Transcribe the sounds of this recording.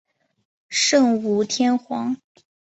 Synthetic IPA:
ʂɤ˥˩ŋu˧˥t̪ʰjɛ˥nxwɑ˧˥ŋ

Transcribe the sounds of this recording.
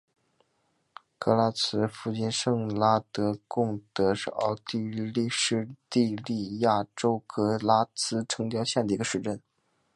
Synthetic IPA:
kɤ˥la˥t͡sʰɹ̩˥fu˥˧t͡ɕɛ˥˧nʂɤ˥˩ŋla˥t̪ɤ˧˥kʊ˥˩ŋt̪ɤ˧˥ʂɻ̩˥˧˩ɑ̰˥˧ʊt̪i˥˧˥li˥˧ʂɻ̩˥˧t̪i˥˧li˥˧ja˥˩ʈ͡ʂo˥ʊkʰɤ˥la˥t͡sʰɹ̩˥ʈ͡ʂʰɤ˧˥ŋt̪jɑ˥˧ʊɕjɛ˥˩nd̪ə˩i˧˥ɡə˧ʂɻ̩˧˩ʈ͡ʂə˥˩n

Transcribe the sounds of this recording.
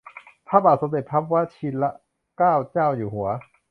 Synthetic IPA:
pʰaː˦˥pbaː˨˩t̪̚so˩˦md̪e˨˩t̪̚pʰa˦˥p̚wa˦˥t͡ɕʰiː˧˥la˦˥ʔ | kaː˥˩wt͡ɕaː˥˩wjuː˨˩hu˩˦ɐ

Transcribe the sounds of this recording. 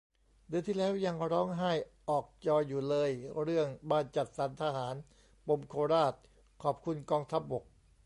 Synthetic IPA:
d̪ɯ˧ənt̪ʰiː˥˩lɛː˦˥wja˧ŋɾɔː˦˥ŋɦaː˥˩jʔɔː˨˩k̚t͡ɕɔː˧jːuː˨˩lɤː˧jɾɯ˥˩əŋbaː˧nt͡ɕa˨˩t̪̚saː˩˦nt̪ʰaː˧haː˩˦n | po˧mkʰoː˧ɾaː˥˩t̪̚ | kʰɔː˨˩p̚kʰu˧nkɔː˧ŋt̪ʰa˦˥p̚bo˨˩k̚

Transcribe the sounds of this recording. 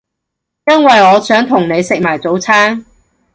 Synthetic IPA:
jɐ˥nwɐ˨jɔː˨˧sœː˨˥ŋt̪ʰʊ˨˩ŋne˨˧jsɪ˨k̚maː˨˩jt͡so˨˥wt͡sʰaː˥ŋ

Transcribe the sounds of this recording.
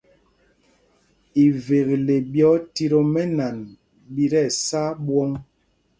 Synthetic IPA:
i˨ve˨ɣle˨bjɔ˨˦ti˦ɾo˦mɛ˦na˨n | bi˦ɾɛ˦˨sa˦bwɔ˦ŋ

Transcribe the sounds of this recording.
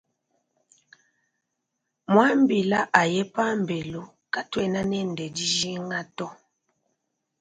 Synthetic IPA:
mwa˦m˦bi˨la˦ʔa˨jɛ˦pa˦m˨be˨lo˦ | ka˦twɛ˦na˦nɛ˦n˨dɛ˨di˦ʒi˦ŋa˦tɔ˦

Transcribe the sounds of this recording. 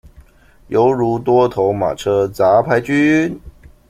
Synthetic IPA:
jo˧˥ʊɻu˧˥t̪wɔ˥t̪ʰo˧˥ʊma̰˨˩ʈ͡ʂʰɤ˥t͡sa˧˥pʰa˧˥ɪt͡ɕy˥n

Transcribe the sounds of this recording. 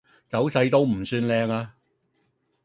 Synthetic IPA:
t͡sɐ˨˥wsɐ˧jt̪o˥wm̩˨˩syː˧nlɛː˧ŋaː˧

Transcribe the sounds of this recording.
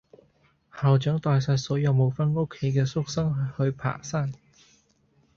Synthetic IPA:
haː˨wt͡ʃœː˨˥ŋt̪aː˨˧jsɐ˧tsɔː˨˥jɐ˨˧wmo˨˧wfɐ˥no˥kʰːe˨˥jkɛː˧sʊ˥k̚sɐ˥ŋhɵ˧ɥpʰa̰ː˨˩saː˥n

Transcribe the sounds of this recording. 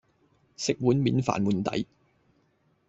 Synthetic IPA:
sɪ˨k̚wuː˨˥nmiː˨˥nfa̰ː˨nwuː˨˩nt̪ɐ̰˨˥j

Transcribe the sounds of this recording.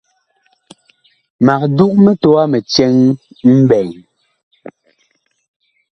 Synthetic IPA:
ma˨k̚du˦ʔmɛ˦tɔ˦a˦mɛ˨t͡ʃɛ˦ŋ | m̩˦bɛ˨ŋ

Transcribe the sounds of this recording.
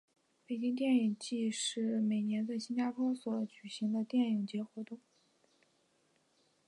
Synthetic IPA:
pe˨˩t͡ɕi˥ŋt̪̬jɛ˥˩ni˨˩ŋt͡ɕi˥˧ʂɻ̩˥˩me˨˩ɪnjɛ˧˥nt͡sa˥˩ɪɕi˥nt͡ɕa˥pʰwɔ˥swɔ˧˥t͡ɕy˨˩ɕi˧˥ŋd̪ə˧t̪jɛ˥˩ni˨˩ŋt͡ɕjɛ˧˥xwɔ˧˥t̪ʊ˥˩ŋ

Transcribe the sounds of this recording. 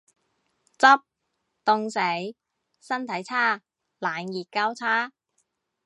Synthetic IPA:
t͡sɐ˥p̚ | t̪ʊ˧ŋse˨˥j | sɐ˥nt̪ʰɐ˨˥jt͡sʰaː˥ | laː˨˥njiː˨t̚kaː˥wt͡sʰaː˥

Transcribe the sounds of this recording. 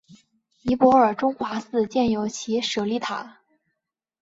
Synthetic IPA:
i˧˥pwɔ˧˥ə˞˨˩ʈ͡ʂʊ˥ŋxwa˧˥sɹ̩˥˧t͡ɕjɛ˥˩njo˧˥ʊt͡ɕʰi˧˥ʂɤ˨˩li˧˥˩t̪ʰa̰˨˩˦

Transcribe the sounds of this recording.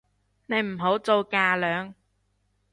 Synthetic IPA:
ne˨˧jm̩˨˩ɦo˨˥wt͡so˨˧wkaː˧lœː˨˧ŋ

